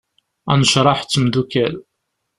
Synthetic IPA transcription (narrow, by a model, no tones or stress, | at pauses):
æ̰nəʃɾˤɑħt͡sːəmd̪ukæl